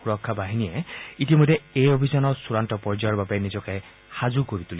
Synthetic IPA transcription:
uɾɔkʰːabaɦinijeitimɔd̪ʱːeejobʱizanɔsuɾantɔpɔɹd͡ʒajɔbabenid͡ʒɔke | had͡ʒukoɾit̪uli

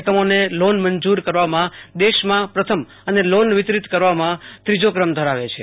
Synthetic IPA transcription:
kəmonelonməɲd͡ʒuɾkəɾʋamãd̪eʃmãpɾət̪ʰəm | ənelonʋɪt̪ɾit̪kəɾʋamãt̪ɾid͡ʒokɾəmd̪ʱəɾaʋet͡ʃʰe

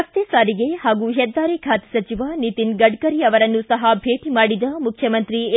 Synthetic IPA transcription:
ɐst̪eːsaːɾiɡehaːɡuɦɛd̪ːaːɾekʰaːt̪i̥sɐt͡ʃiʋanit̪inɡɐɖkɐɾiɐʋɐɾɐnːusɐɦɐbʱeːʈimaːɽid̪ɐmukʰjɐmɐnt̪ɾi

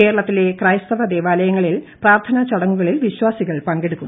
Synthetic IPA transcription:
ke̞ːɾɐɭɐt̪ːile̞krɐjst̪ɐʋɐd̪eːʋaːlɐjɐŋːɐɭilpraːrt̪ʰɐnɐt͡ɕɐɽɐŋːuɣɐɭilʋiɕwaːsiɣɐɭpɐŋɡeɽukːum

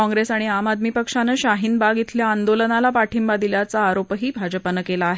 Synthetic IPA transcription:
ɔ̃ŋɡɾesaɽ̃iamad̪miːpəkʂaneɕaɦiːnbaɡit̪ʰljaːnd̪olənalapaʈʰimbad̪iljat͡saːɾopɦiːbʱad͡ʑəpənəkelaːɦe

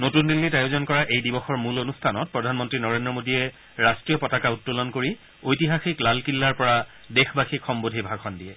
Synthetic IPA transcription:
notundilːitajozɔnkɔɹaʔejdibɔxɔɹmulonustʰanɔt̚pɹɔdʱanmɔntɹinɔɹendɹɔmodiɛ | ɹastɹijɔpɔtakautːulɔnkoɹi | ojtiɦaxiklalkilːaɹpɔɹa | dexbaxikxɔmbodʱibʱakʰɔndiɛ

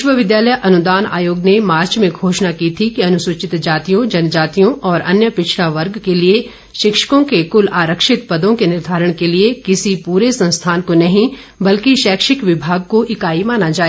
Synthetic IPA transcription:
ɪʃʋəʋɪd̪jaːləjʔɐnʊd̪aːna̰ːjoːɡnemaːɾt͡ʃmẽɡʱoːʃnakit̪ʰikiɐnʊsʊt͡ʃɪt̪d͡ʒaːt̪ijõd͡ʒɐnd͡ʒaːt̪ijõʔɔːɾɐ̰njəpɪt͡ʃʰlaʋɐɾɡkelie | ʃɪkʃə̥kõkekʊlaːɾəkʃɪt̪pɐd̪õkenɪɾd̪ʱaːɾəɽ̃keliekɪsipuːɾesɐ̃nst̪ʰaːnkonɐɦĩ | bɐlkiʃɛːkʃɪkʋɪbʱaːɡ̚koʔɪkaːimaːnad͡ʒaːeː

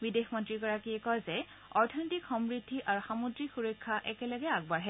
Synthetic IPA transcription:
bidexmɔntɹiɡɔɹakiɛkɔzɛ | ɔɹtʰɔnɔtikxɔmɹidʱːiʔaɹuxamudɹixuɹɔjkʰːaʔɛkɛlɔɡɛaɡ̚baɹɦɛ

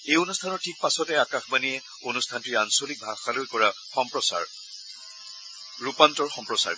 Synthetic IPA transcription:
ejonustʰanɔɹtʰik̚pasɔtɛakaxbaniɛ | onustʰantiansolik̚bʱaxalojkɔɹa | xɔmpɹɔsa̰ɹ | ɹupantɔɹxɔmpɹɔsa̰ɹ

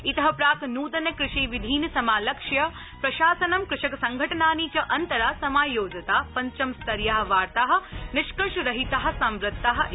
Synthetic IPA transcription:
it̪ɐɦɐpɾaːknuːd̪ɐnjɐkɾɪʃiːʋid̪ʱiːnɐsɐmaːlɐkʂjɐ | pɾɐʃaːsɐnɐmkɾɪʃɐkɐsɐŋɡʱɐʈɐnaːnit͡ʃɐʔɐnt̪ɐɾaːsɐmaːjoːd͡ʒɐt̪aːpɐɲt͡ʃɐmst̪ɐɾjaːɦɐ̆ʋaːɾt̪aɦɐ̆nɪʃkɐʃɾɐɦit̪ɐɦɐ̆sɐmɾɪt̪ːaɦɐ̆

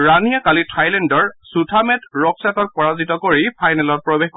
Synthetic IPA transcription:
ɹanijakalitʰajlɛndɔɹsutʰamɛtɹɔksatɔt̚pɔɹazitɔkoɹipʰajnɛlɔt̚pɹɔbexk

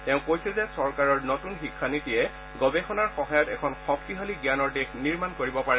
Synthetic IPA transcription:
tɛʊ̃kojsɛzɛsɔɹkaɹɔɹnotunxikʰːanitijɛ | ɡɔbɛxʰɔnaɹxɔɦajɔtɛ̰kʰɔnxɔk̚tiɦaliɡjanɔɹdexniɹmankoɹibɔpaɹɛ

